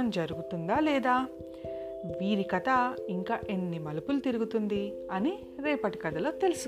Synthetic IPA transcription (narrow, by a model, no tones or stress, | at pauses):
ɐmd͡ʒɐɾuɡut̪und̪aːlɛːd̪aː | ʋiːɾikɐt̪ɐiŋkaːʔenːimɐlupulut̪iɾuɡut̪und̪i | ɐni | ɾɛːpɐʈi̥kɐt̪ɐlo̞ːt̪e̞lusu